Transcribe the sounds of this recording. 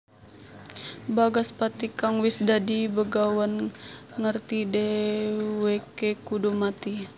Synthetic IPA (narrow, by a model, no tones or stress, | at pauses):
baɡaspat̪ikaŋwisdadibəɡawənŋərt̪idɛ | wekekudumat̪i